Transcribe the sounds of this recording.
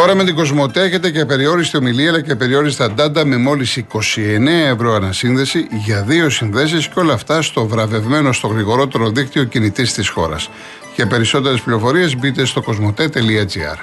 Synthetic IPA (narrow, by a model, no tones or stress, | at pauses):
t̪o̞ɾɐmet̪iɡo̞zmo̞t̪eeçe̞t̪e̞cepe̞ɾio̞ɾist̪eo̞miliɐlɐcepe̞ɾio̞ɾist̪eɐnd̪ɐnd̪ɐme̞mo̞lisiko̞sie̞neɐe̞vɾo̞ɐnɐsinðe̞siʝɐðio̞sinðe̞s̬isco̞lɐːft̪ɐst̪o̞vɾɐve̞vme̞no̞st̪oɣɾiɣo̞ɾo̞t̪e̞ɾo̞ðikt̪io̞cinit̪ist̪isxo̞̰ɾɐ̰s | cepe̞ɾiso̞t̪e̞ɾespliɾo̞fo̞ɾie̞zbit̪e̞st̪o̞ko̞zmo̞t̪et̪e̞liɐd͡ziɐ̰ɾ